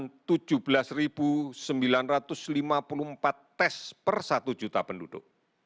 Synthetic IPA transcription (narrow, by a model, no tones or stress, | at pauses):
nt̪u̥d͡ʒ̥ub̥əlasrib̥usəmbilanrat̪ʊslimapulumpat̪ːɛspərsat̪u̥d͡ʒ̥ut̪apəndud̥ʊʔ